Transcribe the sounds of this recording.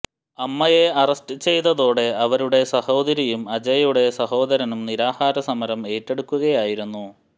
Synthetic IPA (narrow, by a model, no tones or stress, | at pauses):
ɐmːɐje̞ɐrɐsʈɨt͡ɕe̞jt̪ɐðo̞ːɽe̞ɐʋɐɾuɽe̞sɐho̞ːd̪ɐɾɐjumɐd͡ʑɐjɐjuɽe̞sɐho̞ːd̪ɐɾɐnumniɾaːhaːɾɐsɐmɐɾɐme̞ːtːe̞ɽukːuɣɐjaːjiɾunːu